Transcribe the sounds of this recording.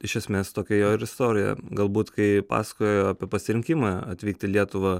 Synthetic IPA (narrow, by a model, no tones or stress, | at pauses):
ɪʃʲɛsʲmʲeːst̪oːkʲɛjoːɪɾɪst̪oːɾʲɪjɛ̰ɡɐlˠbuːt̪kɐɪpɑ̰ːsɐ̥kojoːjoːɑːpʲiɛpɐsʲɪɾʲɪŋʲkʲɪmɑɐt̪ʲʋʲiːk̚t̪ʲɪlʲiɛt̪ʊʋɐ